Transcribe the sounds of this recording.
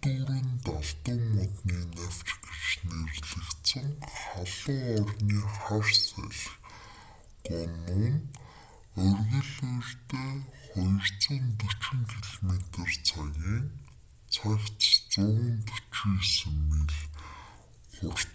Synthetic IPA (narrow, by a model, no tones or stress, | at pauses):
t̪uɾɘ̆nt̪aɮt̪ə̆ŋːʊt̪niːnaw̥t͡ɕɡet͡ɕnerɮɘ̆kt̪sə̆ŋχaɮə̆ŋɔrniːχarsæ̰ɮx | ɢʊmuːn | ɵrɣɵ̆ɮuːrt̪eːχɔjə̆rt͡sə̆nt̪ɵt͡ɕĭŋkʰeɮomet̪ə̆rt͡sʰaɣʲiːn | t͡sʰakt͡st͡sʊːʁə̆nt̪ɵ̥t͡ɕiŋsɘ̆mːeɮ | χʊr